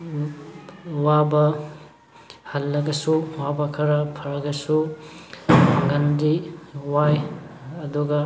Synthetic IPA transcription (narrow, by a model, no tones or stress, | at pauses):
wabɐ | hɐlːɐɡɐsuwabɐkʰɐɾɐpʰɐɾɐɡɐsu | ɡɐndiwajɐduɡɐ